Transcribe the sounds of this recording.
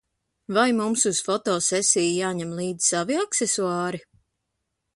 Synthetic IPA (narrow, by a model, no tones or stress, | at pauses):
vajmumsuz̥fɔt̪ɔːsɛsʲijjaːɲɛmlˠiːd̪z̥saviaksesuɑːɾi